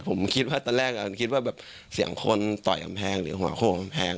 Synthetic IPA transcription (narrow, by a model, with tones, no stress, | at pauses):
pʰo˨˩˦mkʰi˦˥t̪̚waː˥˩t̪ɔː˧nlɛː˥˩k̚a˧˥˩kʰi˦˥waː˥˩bɛː˨˩p̚ | si˨˩˦əŋkʰo˧nt̪ɔ̰˨˩jka̰˧mpʰɛː˧ŋɾɯː˨˩˦hɦu˨a̰ː˨˩˦kʰuː˥˩ka˧mpʰɛː˧ŋ